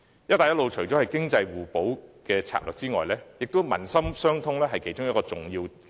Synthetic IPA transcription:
jɐ˥t̪aː˨jɐ˥tlo˨wt͡ʃʰɵ˨˩ɥt͡sɔ˨˥hɐ˨jkɪ˥ŋt͡sɐ˧jwuː˨˩po˨˥wkɛː˧t͡sʰa̰ː˧p̚lœ̰ː˨k̚t͡siː˥ŋɔ̰ː˨jlɛː˥jɪ˨k̚t̪o˥wmɐ̰˨˩nsɐ˥msœː˥ŋt̪ʰʊ˥ŋlɛː˥ɦɐ˨jkʰe˨˥jt͡ʃʊ˥ŋjɐ˥t̚kɔː˧t͡sʊ˨ŋjiː˧w

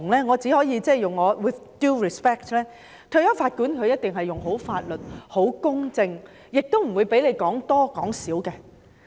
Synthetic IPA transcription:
ŋlɛː˥ŋɔː˨˧t͡siː˨˥hɔː˨˥jiː˨˧t͡sɛː˥˩jʊ˨ŋːɔː˨˧wɪ˨θduː˥˩ɹi˨spɛː˥k̚tlɛː˥ | t̪ʰɵ˧jɔː˥faː˧t̚kuː˨˥nkʰɵ˨˧ɥjɐ˥t̚t̪ɪ˨ŋɦɐ˨jʊ˨ŋɦo˨˥wfaː˧t̚lɵ˨t̚ho˨˥wkʊ˥ŋt͡sɪ˧ŋ | jɪ˨k̚t̪o˥wm̩˨˩wuː˨˧jpe˨˥jle˨˧jkɔː˨˥ŋt̪ɔː˥kɔː˨˥ŋsiː˨˥wkɛː˧

